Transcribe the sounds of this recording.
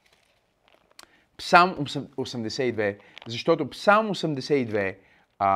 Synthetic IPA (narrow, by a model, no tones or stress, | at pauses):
psalˠmosɛmd̪ɛsɛid̪vɛ | zɐʃt̪ɔt̪oʊpsalˠmosɛmd̪ɛsɛid̪vɛ